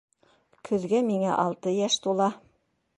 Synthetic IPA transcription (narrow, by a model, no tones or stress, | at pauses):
kʰɵ̆ðɡæmiŋæʔɑlˠt̪ɤjæʃt̪ulˠɑ